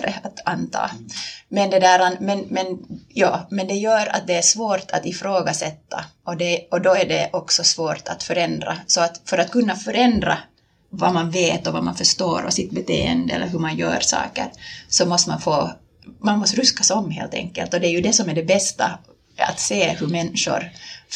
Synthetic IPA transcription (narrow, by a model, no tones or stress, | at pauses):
ɾəat̪ant̪ʰɑ̰ːmɛnd̪ɛd̪æːɾanmɛnmɛnjɑːmɛnd̪ɛjœːɾa̰t̪̚d̪ɛæʂvoːɾʈ̪ʰa̰t̪ɪfɾoːɡasɛt̪ːa̰ʔɔd̪ɛɔd̪ɔæɖɛʔɔksɔsvoːɾʈ̪ʰat̪fœɾɛnd̪ɾa̰sɔat̪fœɾat̪̚kɵnːafœɾɛnd̪ɾa̰ | vamanveːt̪ɔva̰ma̰nfœʂt̪oːɾɔ̰sɪt̪̚bɛt̪ʰḛːə̰nd̪əɛ̰lːəɾɦɵmanjœ̰ːɾsɑ̰ːkə̰ɾsɔmɔst̪manfoː | manmɔst̪ɾʉskasɔmːɦḛːlt̪ʰɛ̰ŋkːə̰lt̪ɔd̪ɛːɾjɵd̪ɛsɔmæɖɛbɛst̪a̰ | a̰t̪seːhɵmɛnːʂʊ̰ɾ